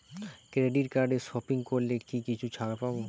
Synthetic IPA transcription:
kɾeɖiʈkaɾɖeʃɔpiŋkoɾlekikit͡ɕʰut͡ɕʰakapabo

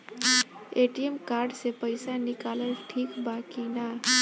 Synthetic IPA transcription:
eʈiemkaɾɖsepəɪsanikaləlʈʰikbakina

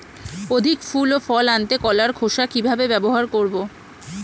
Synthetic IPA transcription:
od̪ʱikfulofɔlant̪ekɔlaɾkʰoʃakibʱabebɛboɦaɾkoɾbo

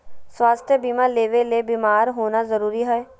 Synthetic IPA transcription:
swaːst̪ʰjəbiːmaleːʋeleːbiːmaːɾɦoːnazəɾuːɾiɦɛɛ

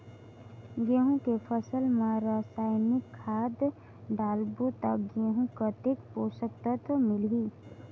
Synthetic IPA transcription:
ɡeɦũkepʰəsəlmãɾasaːjmɪkʰːaːd̪ | ɖaːlbot̪əkɡeɦũkət̪ekposək̚t̪at̪omɪlɦi

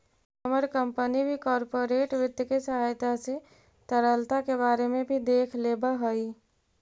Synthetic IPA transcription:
əməɾkə̃mpənibʱikɔːɾpoɾeːʈʋɪd̪jəkesəɦajt̪ase | t̪əɾəlt̪akeβaːɾemẽbʱid̪eːkʰleːbəɦəi

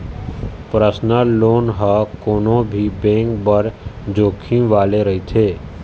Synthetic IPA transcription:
pɾəsnəloːnɦəkoːnõbʱibẽːŋkbəɾd͡ʒoːkʰĩʋaːleɾəɦit̪ʰeː

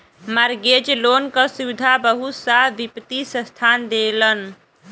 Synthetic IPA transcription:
məɾɡed͡ʒlonkəsuwid̪ʱabəɦut̪saʋipt̪isə̃st̪ʰand̪elən

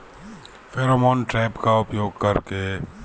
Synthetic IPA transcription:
fʰeːɾoːmɔːnʈɾɛːpkaʊpjoːɡ̚kɐɾke

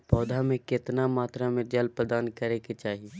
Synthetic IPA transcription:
pɔːd̪ʱamẽkɪt̪namaːt̪ɾamẽd͡ʒəlpɾəd̪aːnkəɾeket͡ʃaːɦi

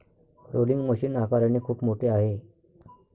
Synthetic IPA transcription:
pɾoliŋɡməɕiːnakaɾanekʰuːpmoʈʰeaɦe

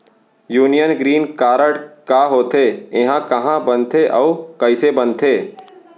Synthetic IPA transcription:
juːnijənɡɾiːnkaːɾəɽkaːɦoːt̪ʰeːɪɦãkɐɦãbɐnt̪ʰeʔɔːkɐɪsebɐ̃nt̪ʰeː

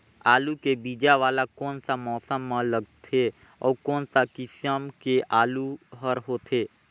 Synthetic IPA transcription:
aːlukebiːd͡ʒaʋaːlakɔːnsamɔːsəmːãləɡt̪ʰe | ɔ̰ːɾkɔːnsakɪsəmkeaːluɦəɾɦoːt̪ʰeː

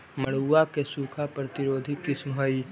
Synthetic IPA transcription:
mɐɽ̤uuːakesuːkʰapɾət̪ɪɾoːd̪ʱikɪsmɦoi

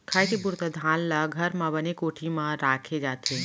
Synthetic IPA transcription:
kʰaːjkibʊɾt̪əd̪ʱaːnlaɡʱɐɾmãbənekoːʈʰimãɾaːkʰed͡ʒaːt̪ʰe

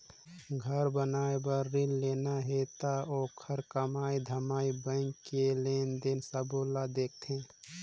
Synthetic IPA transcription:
ɡʱəɾbənaːebəɾːilːeːnaɦet̪aoːkʰəɾkəmaːid̪ʱəmaːibə̃ŋkelend̪eːnsəbolad̪eːk̚ʰt̪ʰẽ

